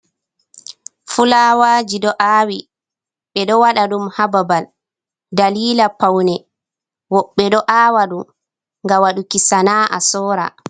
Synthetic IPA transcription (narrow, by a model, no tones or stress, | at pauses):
fulawaːd͡ʒiɗɔʔaːwi | ɓɛɗɔwaɗaɗumhababal | daliːlapawnɛ | wɔɓːɛɗɔʔaːwaɗum | ŋɡawaɗukisanaːʔa̰sɔːɾa̰